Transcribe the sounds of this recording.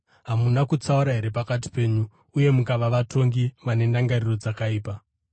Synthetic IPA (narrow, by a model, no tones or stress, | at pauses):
ɦamunakut͡sauɾaɦe̞ɾe̞pakat̬i̥pe̞ːɲuː | je̞mukaʋaʋato̞ŋɡimane̞ndaŋɡariro̞d͡zakaiːpa